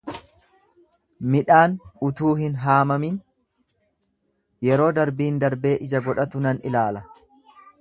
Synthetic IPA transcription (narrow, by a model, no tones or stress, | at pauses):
mɪᶑaːnʊt̪uːhɪnɦaːmɐmin | jɛɾo̞ːd̪ɐɾbiːnd̪ɐɾbe̞ːʔɪd͡ʒɐɡɔᶑɐt̪ʊnɐnʔɪlaːlɐ